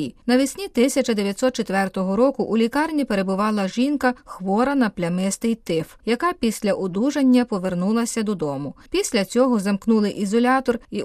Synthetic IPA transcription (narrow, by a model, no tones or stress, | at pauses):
nɐʋʲɪsʲnʲit̪ɪsʲɐt͡ʃɐd̪eʋʲjɐt̪sɔt̪t͡ʃet̪ʋɛrt̪ɔɦɔɾɔkʊʔulʲikɑrnʲipe̞ɾe̞bʊʋɑlˠɐʒinkɐxʋɔɾɐnɐplʲɐmɪst̪ɪjt̪ɪfjɐkɑpʲisʲlʲɐʔʊd̪uʒenʲːɐpɔʋe̞rnulˠɐsʲɐd̪ɔd̪ɔmʊpʲisʲlʲɐt͡sʲɔɦɔzɐmknulˠɪʔizɔlʲɑt̪ɔri